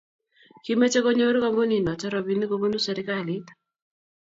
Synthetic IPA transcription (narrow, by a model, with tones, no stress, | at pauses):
ki˦me˦t͡ʃe˦kɔ˦ɲo˦ɾo˦ka˦ŋɡo˦ni˨nɔ˨t͡ʃɛ˦ɾɔ˨βi˦ni˦ko˦bo˦nu˦sɛ˨ɾɪ˦ka˦˨li˦t̪